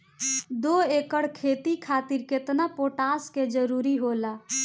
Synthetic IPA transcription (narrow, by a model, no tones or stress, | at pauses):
d̪oekəɽkʰet̪ikʰat̪iɾket̪napoʈasked͡ʒəɾuɾiɦola